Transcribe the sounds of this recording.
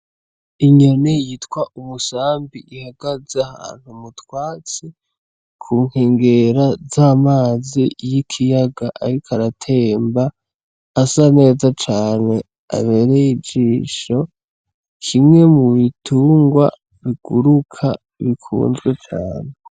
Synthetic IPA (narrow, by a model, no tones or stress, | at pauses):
iɲonejitkwaʔumusaːmbiʔihaɡ̥azeaha̰ːn̥humutwaːt͡si | kʰuːŋheːŋɡe̞ɾazaːmaːzijikʰijaɡaʔaɾikʰaɾatʰe̞ːmbaː | sane̞ːzat͡ʃaːne̞ | a̰βe̞ɾejid͡ʒiːʃo̞ | kʰimŋe̞muβitʰuːŋɡwa̰ | βiɡ̥uɾukʰa | βikʰṵːnzɡwet͡ʃa̰ːne